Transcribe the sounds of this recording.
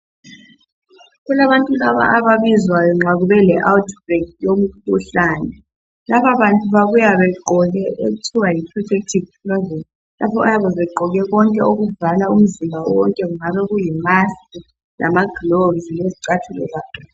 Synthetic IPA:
ɣulaβantʼulaβa̰ʔaβaβizwajɔŋ͡ǁaɣuβɛlɛʔawtʰbɛkjom̩kʰuɬaːnɛ | laβaβantʼuβaɣujaβɛǃɔɣɛʔeɣutʰiwajipʰrɔtʰek̚tʰivpʰlazen | lʔa̰pʰɔajaβɔzɛǃʱɔɣɛɣɔŋkʼɛoɣuvalaum̩zimbʱaɔwɔŋkʼɛɣuŋaβɛɣujimasi | lʔa̰maɡ̥loɡzileziǀatʰulɛ̰zaːkʰɛ

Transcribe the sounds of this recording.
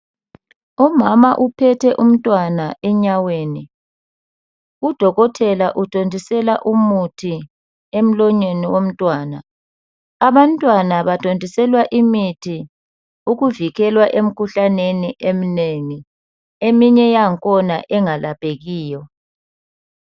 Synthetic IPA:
umamaʔupʰɛtʰɛʔum̩tʼwanaʔɛɲaweːni | ud̥ʱɔɣɔtʰɛlaʔutʰʼondʱisɛlaʔumutʰi | em̩lɔɲweniwom̩tʼwaːna̰ː | βantʼwanaβatʼondʱisɛlwaʔimitʰi | uɣuviɣɛlwaʔem̩kʰuɬaneniʔem̩neŋi | emiɲɛjaŋkʰʼɔnaʔɛŋalapʼeɣiːjɔ

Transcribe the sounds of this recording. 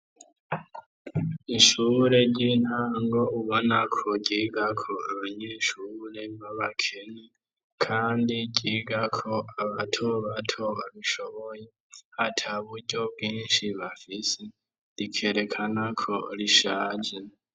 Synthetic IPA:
iʃuːɾe̞ɟinaŋɡo̞uβo̞nakʰo̞ɟiːɡakʰo̞aβaɲeːʃuːɾe̞βaβakʰe̞ne | kʰaːndiɟiːɡakʰo̞aβatʰuβatʰoβaβiʃo̞βo̞je | hatʰaβuɾɟo̞bɡiːnʃiβafise | ɾikʰe̞ɾe̞kʰanakʰo̞liʃaːd͡ʒe

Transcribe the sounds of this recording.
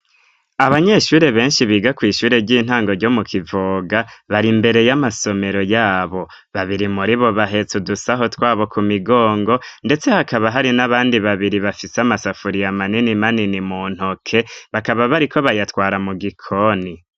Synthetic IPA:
aβaɲe̞ʃuːɾe̞βe̞ːnʃiβiːɡakwiːʃuːɾe̞ɾɟiːn̥haːŋɡo̞ɾɟo̞mukʰivoɡaβaɾimbe̞ɾe̞jamaso̞me̞ɾo̞jaːβo̞ | βaβiɾimuɾiβo̞βaɦe̞t͡sudusaɦo̞twaːβo̞kumiɡo̞ːŋɡo̞nde̞t͡se̞hakaβaɦaɾinaβaːndiβaβiɾiβafiseamasafuɾijamaninimaninimuːn̥hokʰe̞βakaβaβaɾikʰo̞βajatwaːɾamuɡikʰo̞ni

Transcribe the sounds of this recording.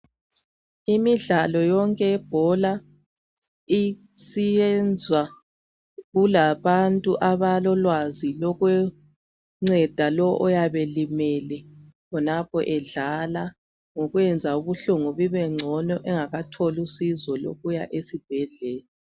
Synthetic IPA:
imiɮalɔjɔŋkʼɛɛb̥ʱɔla | i | siɛnd͡zʱwa | ɣulaβantʼuʔaβalɔlwazilɔɣwɛ | ŋ͡ǀɛd̥ʱalɔʔɔjaβelimɛlɛ | kɔnapʰɔʔɛɮala | ŋoɣwɛnd͡zʱauβuɬuŋuβiβɛŋ͡ǀʱɔnɔʔɛŋaɣatʰɔlusizɔlo̰ɣujaʔesib̥ʱɛɮɛːlɛ

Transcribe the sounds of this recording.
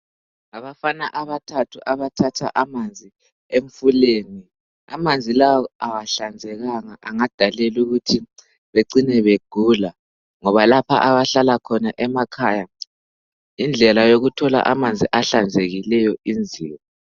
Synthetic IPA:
aβafanaʔaβatʰatʰuʔaβatʰatʰa̰ʔamand͡zʱi | eɱfuleːni | a̰mand͡zʱilawɔawaɬand͡zʱɛɣaŋaʔaŋad̥ʱalɛluɣutʰi | βeǀinɛβeɡ̥ʱuːla | ŋɔβalapʰa̰ʔaβaɬalakʰɔnaʔɛmakʰaja | ind͡ɮʱɛlajoɣutʰɔla̰ʔamand͡zʱiʔaɬand͡zʱeɣilɛjɔind͡zʱḭːwɔ

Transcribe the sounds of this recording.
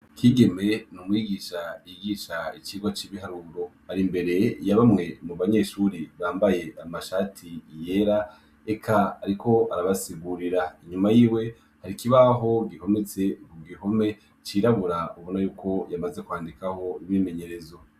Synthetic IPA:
kʰiɡe̞me̞numwiːɡiːʃaijiɡiːʃait͡ʃiɡwat͡ʃiβiɦaɾuːɾo̞haɾimbe̞ɾe̞jaβamŋe̞muβaɲe̞ʃuɾiβaːmbaje̞amaʃaːtʰije̞ɾa | ekʰaːɾikʰo̞aɾaβasiɡuɾiɾaiɲumajiːwe̞ | haɾikiβaɦo̞ɡiho̞met͡se̞kuɡiho̞me̞ | t͡ʃiɾaβuɾauβonajuːkʰo̞jamazekuaːndikaho̞iβime̞ɲe̞ɾe̞zo

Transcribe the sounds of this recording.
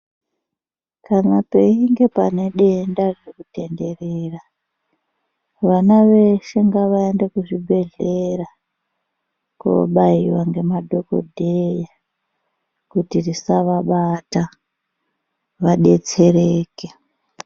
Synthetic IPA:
kanape̞iŋɡe̞pane̞ɗe̞ndaririkute̞nde̞reːra | ʋanaʋe̞ʃeŋɡaʋaendekuʐibʱe̞ɮe̞ɾa | ko̰ɓaiwaŋɡe̞madʱoko̞̰dʱeja | kutirisaʋaɓata | ʋaɗe̞t͡se̞ɾeːke

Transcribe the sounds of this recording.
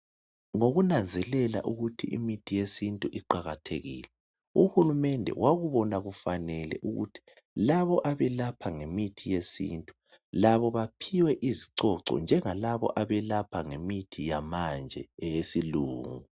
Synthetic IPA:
ŋoɣunand͡zʱɛlɛla̰ʔuɣutʰiḭmitʰijesintʼuʔiǃaɣatʰḛɣḭːlɛ | uhulumɛndʱɛ̰wʔaɣuβɔnaɣufanɛlɛ̰ʔuɣṵtʰi̥ | laβɔʔaβɛlapʰaŋemitʰijesḭntʼu | laβɔβapʰiwɛʔiziǀɔǀɔ̰nd͡ʒʱɛŋalaβɔ̰ʔaβɛlapʰaŋemitʰijamand͡ʒʱɛɛjesiluːŋu

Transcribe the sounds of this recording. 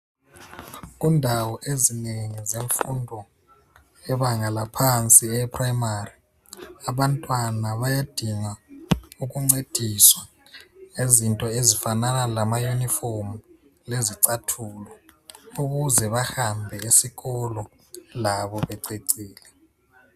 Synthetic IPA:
ɣ̬undʱawɔʔezineŋizeɱfundʱɔ | ɛβaŋalapʰant͡sʼiɛpʰʼraimari | aβantʼwanaβajad̥ʱiŋauɣuŋ͡ǀed̥ʱiswa | ezintʼɔezifananalamajuniformu | leziǀatʰulɔuɣuzɛβahambʱɛesiɣɔlɔ | laβɔβɛǀeǀiːlɛ

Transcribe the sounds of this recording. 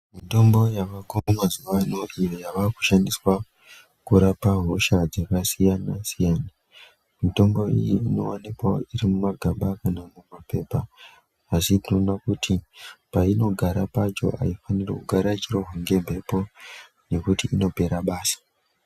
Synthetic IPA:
mito̞mbo̞jaʋakomumazuʋano̞ʔijojaʋaku̥ʃandiswa | kuɾapaɦo̞ʃad͡zakasijanasijana | mito̞mbo̞ḭjiːno̞̰wanikwairimumaɡʱaɓakanamumape̞paː | sitino̞nakutʰipaino̞ɡʱaɾapat͡ʃo̞̰ʔa̰ifanirḛkuɡʱaɾat͡ʃiro̞ɦoŋɡe̞mbʱe̞po̞ | ne̞kutiːno̞pe̞ɾaɓaːsḁ

